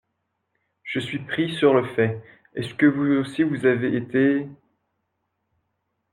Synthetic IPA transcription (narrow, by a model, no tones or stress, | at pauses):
ʒ̥əsɥipχisyʁləfɛ | ɛskəvuosivuzaveːt̪e